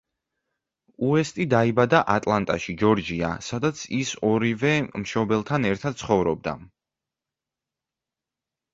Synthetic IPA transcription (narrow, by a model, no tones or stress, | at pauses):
uɛst̪ʼid̪aibad̪aʔat̪ʼlˠant̪ʼaʃid͡ʒɔɾd͡ʒia̰sad̪at̪sʰisɔɾivɛmʃɔbɛlˠt̪ʰanɛɾt̪ʰad̪̥̚sʰχɔvɾɔb̚d̪a̰